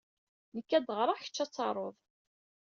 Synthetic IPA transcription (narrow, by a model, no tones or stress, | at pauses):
nəkːæd̪ʁɾˤaçə̥t͡ʃːæt͡sːɑɾˤoðˤ